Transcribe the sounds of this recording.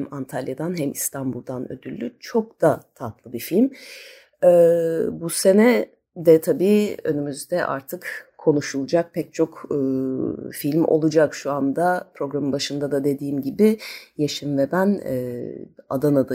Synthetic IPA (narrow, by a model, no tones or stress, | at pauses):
mant̪ʰalʲjad̪anɦɛmist̪ʰanbulˠd̪anø̰d̪ylʲːyt͡ʃʰok̚d̪̥at̪ʰat̪lˠɯbifilʲm | ɛbuse̞nɛ | d̪ɛt̪ʰabiːø̞nymyzd̪ɛʔa̰ɾt̪ʰɯkkʰːo̞nuʃulˠd͡ʒak̚pʰɛc̚t͡ʃʰo̞kː | filʲmo̰lˠud͡ʒakʃuand̪apʰɾo̞ɡɾamɯbaʃɯnd̪ad̪ad̪e̞d̪iːmɟibɪjaʃɯnvɛbænɛ | a̰d̪anad̪a